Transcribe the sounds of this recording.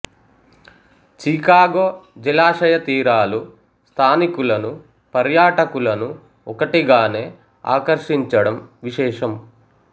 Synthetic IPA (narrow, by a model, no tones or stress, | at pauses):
t͡ʃikaːɡoːd͡ʒilaːʂɐjɐt̪iːɾaːlu | st̪ʰaːnikulɐnu | pɐɾjaːʈɐkulɐnu | ɔkɐʈiɡaːne̞ː | a̰ːkɐɾʂiɲt͡ʃɐɽɐmʋiʃɛːʂɐm